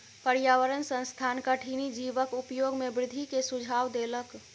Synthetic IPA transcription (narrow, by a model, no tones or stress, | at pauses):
pəɾjaːʋəɾənsə̃nst̪ʰaːnkaʈʰinid͡ʒiʋəkʊpjoːɡmẽbɾɪd̪ʱikesʊd͡ʒʱaːwd̪elək